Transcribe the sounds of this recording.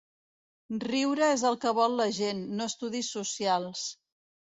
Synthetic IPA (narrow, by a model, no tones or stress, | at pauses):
riwɾəezəlˠkəβɔlˠːəʒenːoəst̪uðisːusialˠs